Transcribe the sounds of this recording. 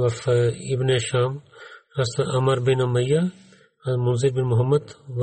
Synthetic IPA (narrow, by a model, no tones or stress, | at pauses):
ɐfibneʃaːmɐsaʔɐmɐɾbinɐmɐja | ɐlmʊnziɾbinmʊɦɐmːɐd̪ʋ